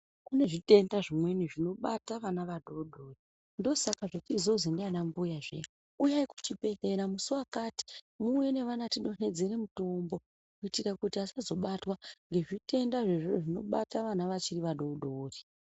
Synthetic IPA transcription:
kune̞ʐite̞ndaʐimwe̞niʐino̞ɓataʋanaʋaɗo̞ɗo̞ːri | ndo̞sakaʐetizo̞zindianambujaʐḛ | ujaiku̥tipeθe̞ɾamusuwakaːti̥ | muwe̞ne̞ʋanatiɗo̞ne̞d͡ze̞ɾe̞muto̞mbo̞ | kuitikakutiasazo̞ɓatwaŋɡe̞ʐite̞ndaʐeʐireʐino̞ɓataʋanaʋat͡ʃiriʋaɗo̞ɗoːri

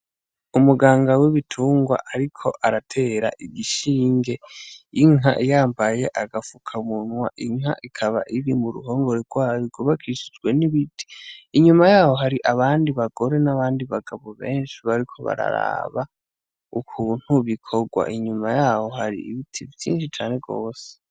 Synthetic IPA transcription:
umuɡaːŋɡawiβitʰuːŋɡwa̰ʔaɾikʰo̞ʔaɾatʰe̞ːɾa̰ʔiɡiʃiːŋɡe̞iŋɦa̰ʔijaːmbaje̞ʔaɡafukʰaumun̥wa̰ʔiŋ̥ha̰ʔikʰaβa̰ʔiɾimuɾṵɦo̞ːŋɡoɾeɡ̥waːjiɡuβakʰiʃi̥d͡ʒɡwe̞niβiti̥iɲumajaːho̞ɦaɾiʔaβaːndiβaɡ̥o̞ɾe̞naβaːndiβaɡaβo̞βe̞ːnʃiβaɾikʰo̞βa̰ɾa̰ɾa̰βa | ukʰuːn̥huβikʰo̞ɡwa̰ʔiɲumajaːho̞haɾḭiβitʰivjḭːnʃit͡ʃaːne̞ɡoːse̥

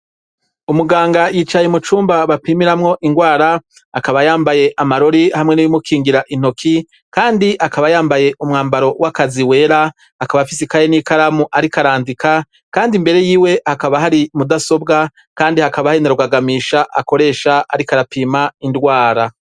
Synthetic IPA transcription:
umuɡaːŋɡajiːt͡ʃajemut͡ʃuːmbaβapiːmiɾamŋo̞ʔiŋɡwaːɾaː | kaβajaːmbaje̞ʔamaɾo̞ɾihamŋe̞nujumukʰiːŋɡiɾaʔin̥o̞kʰi | kaːndiʔakaβajaːmbaje̞ʔumŋaːmbaɾo̞wakaziwe̞ːɾa | hːkaβafisikajeniːkaɾamuʔaɾikaɾaːndika | kaːndimbe̞ɾe̞jiːwe̞hakaβaɦaɾimudaso̞bɡa | kaːndihakaβahaɾinaɾuɡaɡamiːʃaʔako̞ɾe̞ːʃaaɾikaɾapʰiːmaindɡwaːɾa

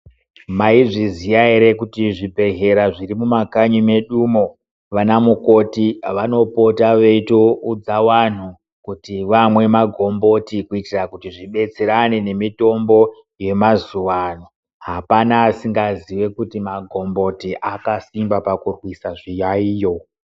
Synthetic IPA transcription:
maiʐizijaiɾe̞kutiʐibʱe̞ɦe̞ɾaʐirimumakaɲime̞ɗuːmo̞ | ʋanamuko̞tiʋano̞po̞taʋe̞itoud͡zawan̤u | kutiʋamwe̞maɡʱo̞mbo̞tikuitirakutiʐiɓe̞t͡seɾane̞ne̞mito̞mbo̞ | je̞mazuʋano̞ | ɦapanaːsiŋɡaziwe̞kutimaɡʱo̞mbo̞tiʔakasimbapakurwisaʐijaiːjo̞

